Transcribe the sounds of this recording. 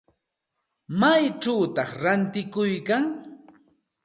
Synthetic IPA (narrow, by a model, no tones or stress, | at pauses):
majʈ͡ʂawt̪ɑχɾant̪ɪkʊjkaŋ